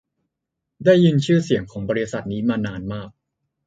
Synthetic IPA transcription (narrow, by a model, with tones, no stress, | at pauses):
daː˥˩jːi˧nt͡ɕʰɯː˥˩si˩˦əŋkʰɔː˩˦ŋbɔː˧ɾi˧˥sa˨˩t̪̚niː˦˥maː˧naː˧nmaː˥˩k̚